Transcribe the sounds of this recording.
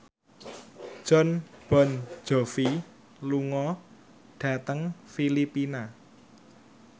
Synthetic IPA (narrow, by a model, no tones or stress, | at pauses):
ʒ̥ɔ̤nb̥ɔ̤n̥d͡ʒ̥ɔ̤fi | luŋɔ | ɖ̥ä̤t̪əŋfilipina